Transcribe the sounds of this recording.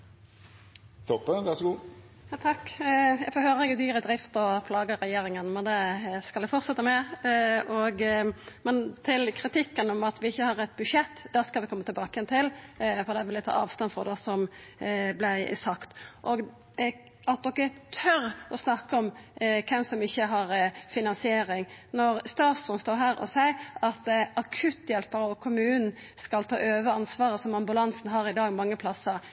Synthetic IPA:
t̪ʰɔpːət̪ɑsɡuː | jɑt̪ʰɑkːfɔhøːɾəɛɡd̪yːɾəd̪ɾɪft̪ɔpʰlɑːɡəɾɛjeːɾɪŋənmɛnd̪ɛskɑlɛɡfɔt̪sɛt̪ːəmɛ | ɔɡmɛnt̪ʰɪlkʰɾɪt̪ʰɪkːənɔmɑt̪ʋɪɪçːəhɑɾɛt̪̚ːbʉʂɛt̪ːd̪æːskɑlʋɪkɔmːət̪ɪlbɑːkəjɛnt̪ʰɪlfɔʁd̪ɛʋɪlɪt̪ʰɑ̰ːɑ̰ːʋst̪ɑnfɔʁd̪ɛsɔm | blɪ̰sɑkt̪ʔoɡ | ɑt̪̚d̪ɔkːət̪ʰœɾʔɔsnɑkːəɔmkʰɛmsɔmɪçːəɦɑɾfɪnɑnsɪeːɾɪŋnɔɾst̪ɑːt̪sd̪ʊnst̪oːɾɦæːɾɔ̰sæɪɑt̪ɑkʰʉt̪ːjɛlpəɾəɔkʰʊmʉːnn̩ | skɑlt̪ʰɑːʔøːʋəɑnsʋɑːɾəsɔmɑmbʉlɑnsnɦɑɾɪd̪ɑːɡmɑŋːəpʰlɑsːəɾ

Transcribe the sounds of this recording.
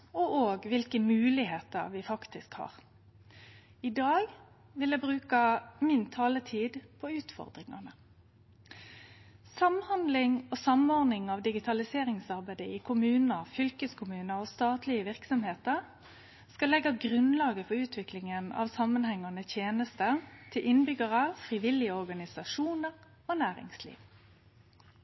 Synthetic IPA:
ɔʔoːɡʋɪlkəmʉːlɪheːt̪ə̰ʁʋɪfɑkt̪ɪskhɑ̰ːʁ | ɪd̪ɑːɡ | ʋɪlɛbʁʉːkɑmɪnt̪ʰɑːlət̪ʰiːd̪pʰɔʉːt̪fɔ̰ʁd̪ʁɪŋɑ̰nə | sɑmhɑnd̪lɪŋoːsɑmɔʁd̪nɪŋɑʋd̪ɪɡɪt̪ʰɑlɪseːʁɪŋsɑʁbæɪd̪əɪkʰʊmʉːnəʁfʏlkəskʰʊmʉːnəɾɔːst̪ɑːt̪lɪəʋɪʁksɔmheːt̪əʁ | skɑlɛɡːɑɡʁʉnlɑːɡəfɔɾʉːt̪ʰʋɪklɪŋənɑ̰ʋsɑmənhɛŋːɑnət̪ʰjeːnəst̪ət̪ʰɪlʔɪnbʏɡəʁəfʁiʋɪlɪəɔʁɡɑnɪsɑʃuːnəʁ | oːnæːʁɪ̰ŋslḭːʋ

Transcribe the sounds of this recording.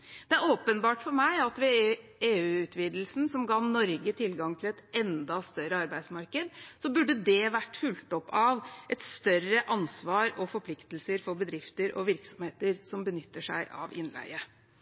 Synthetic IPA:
d̪̥ɛæɾoːpənbɑːʈfɔɾmæɪɑt̪ʋɛeːʉːʉːt̪ʰʋiːd̪lsn̩sɔmɡɑːnɔɾɡət̪ʰɪlɡɑŋt̪ʰɪlɛt̪ɛnd̪ɑst̪œɾəɑɾbæɪsmɑɾkəd̪sɔbʉɖːəd̪ɛʋæʈːfʉlt̪ɔpʰːɑʋʔɛt̪st̪œrəʔɑnsʋɑːɾɔfɔɾpʰlɪkt̪l̩səɾfɔɾbəd̪ɾɪft̪əɾɔ̰ʋɪɾksɔmheːt̪əɾsɔmbənʏt̪ːəʂæ̰ɪʔɑ̰ʋɪ̰nlæ̰ɪə

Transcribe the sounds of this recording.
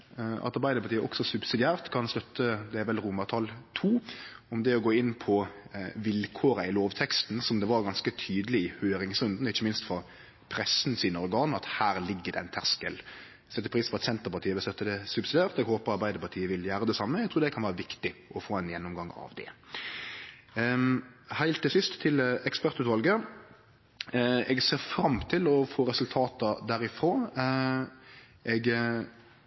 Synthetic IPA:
ʔɑ̰t̪ɑɾbæɪd̪əɾpɑɾt̪iːəʔɔ̰ksɔsʉbsɪd̪ɪæːɾt̪kʰɑnst̪œt̪ʰːəd̪ɛæɾʋɛlɾʊmːɑt̪ʰɑlt̪ʰuːɔmd̪ɛɔɡoːɪnːpʰɔʋɪlkʰoːɾəɪloːʋt̪ʰɛkst̪n̩sɔmd̪ɛʋɑɾɡɑnskət̪ʰyːd̪lɪɪhøːɾɪŋsʉnd̪n̩ɔɪçːəmɪnst̪fɔɾ | pʰɾɛsn̩siːnəɔɾɡɑːnɑt̪hæːɾlɪɡːəd̪ɛæɪnt̪ʰæʁskəl | st̪ɛt̪ːəpʰɾiːsfɔɾɑt̪sɛnt̪əɾpɑɾt̪ʰiːəʋɪlst̪œt̪ːəd̪ɛsʉbsɪd̪eːʁt̪ɛɡhoːpəɾɑɾbæɪd̪əɾpɑt̪ʰiːəʋɪljæːɾəd̪ɛsɑmːəɛɡt̪ʰɾuːɾd̪ɛkʰɑnʋæːɾəʋɪkt̪ɪʔɔfoːɛnjɛnːʊmɡɑŋɑ̰ʋd̪ɛ̰ | hæɪlt̪ːɪlsɪst̪ʰːɪlɛkspæʁt̪ʉːt̪ʋɑlɡə | ɛɡseːʁfɾɑmt̪ʰɪlɔfoːɾɛsʉlt̪ʰɑːt̪əd̪æɾɪfɾoː | ʔɛɡ

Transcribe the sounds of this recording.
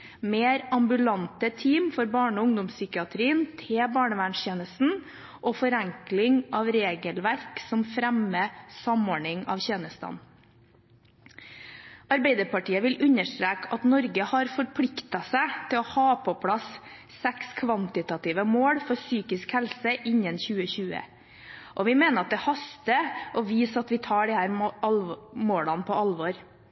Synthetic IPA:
meːɾɑmbʉlɑnt̪ət̪ʰiːmfɔɾbɑːɳəɔʊŋd̪ʊmssʏkɪɑt̪ʰɾiːənt̪ʰebɑːɳəʋæɳseːnəst̪n̩ | ʔɔfɔɾɛŋklɪŋɑʋɾeːɡəlʋæɾksɔmfɾæməsɑmoːɳɪŋɑ̰ʋçeːnəst̪ɑ̰n | ɑɾbæɪd̪əɾpɑʈiːəʋɪlʉɲəʂt̪ɾeːkɑt̪nɔɾɡəhɑɾfɔɾpʰɽɪkt̪ɑsæɪt̪ʰɪlɔhɑːpʰɔpʰɽɑsː | ɛkskʰʋɑnt̪ɪt̪ɑt̪iːʋəmoːɽfɔɾsyːkɪskhɛlsəʔɪɲənçʉːəçʉːə̰ | ʔɔʋɪmeːnəɾɑt̪̚d̪ɛhɑst̪əʔɔʋiːsɑt̪ʋɪt̪ʰɑːɖɪhæːɾɑlmoːɽɑnpʰɔɑlʋɔɾ

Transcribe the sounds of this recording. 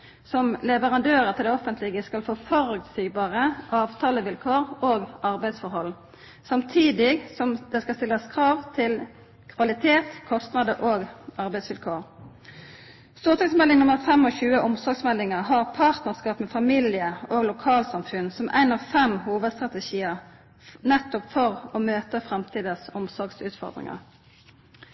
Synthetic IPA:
sɔmlɛʋəʁɑnd̪øːʁət̪ʰɪld̪ɛɔfənt̪ʰlɪɡəskɑlfoːfɔʁʉɡt̪siːɡbɑːʁəʔɑːʋt̪ʰɑːləʋɪlkʰoːɾoːɡɑʁbæɪsfɔɾhɔlː | sɑmt̪ʰiːd̪ɪɡsɔmd̪ɛskɑlst̪ɪləskʰʁɑːʋt̪ʰɪl | kʰʋɑlɪt̪ʰeːt̪kʰɔst̪nɑd̪əʔoːɡɑʁbæɪsʋɪlkʰoːʁ | st̪uːʁt̪ɑksmɛlɪŋnʊməʁfɛmɔçʉːəʔʊmsɔʁɡsmɛlːɪŋəʁɦɑʁpʰɑːʁt̪nəʁskɑːpmɛfɑmilɪəoːɡlʊkʰɑːlsɑmfʉnsɔmʔæ̰ɪnɑʋfɛmhuːʋəd̪st̪ʁɑt̪əʃiːəʁ | nɛt̪ːʊpfɔʁɔmøːt̪əfʁɛmt̪ʰiːd̪əsɔmsɔʁɡsʉːt̪fɔ̰ʁd̪ʁɪ̰ŋɑ̰ʁ

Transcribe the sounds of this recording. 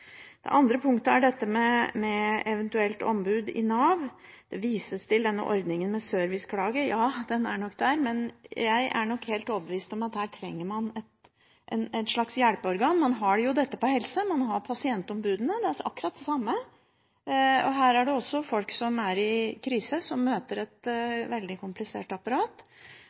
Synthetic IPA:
d̪̥ɛ̰ʔɑnd̪ɾəpʰʊŋkt̪əæɖɛt̪ːəmɛmɛɛʋɛnt̪ʉɛlt̪ɔ̰mbʉːd̪ɪ̰nɑːʋd̪̥ɛʋiːsəst̪ʰɪld̪ɛnːə̰ʔɔ̰ɾd̪nɪŋənmɛsøːɾʋɪskʰlɑːɡəjɑːd̪ɛnæɳɔkːd̪æːɾmɛnjæɪʔæ̰ɳɔkːhɛːlt̪oːʋbəʋiːst̪ɔmɑt̪hæːʈʰɾɛŋːəɾmɑnɛt̪ | ʔɛnæt̪ʂɭɑksjælpəɔɾɡɑːnmɑnɦɑɖjʊd̪ɛt̪ːəpɔhɛlsəmɑnɦɑɾpʰɑsɪɛnt̪ɔmbʉːd̪ənəd̪ɛæɑkːɾɑt̪̚d̪ɛsɑmːə | ɔ̰ɦæːɾæɖɛɔsːɔfɔlksɔmæɾɪkʰɾiːsəsɔmːøːt̪əɾɛt̪ʋɛld̪ɪkʰʊmplɪsḛːʈɑpɑɾɑːt̪

